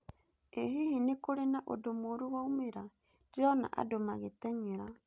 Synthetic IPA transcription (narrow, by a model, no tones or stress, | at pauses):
eɦihinekoɾenaʔodomoɾuwaumeɾa | diɔna̰ʔa̰domaɣetɛɲeɾa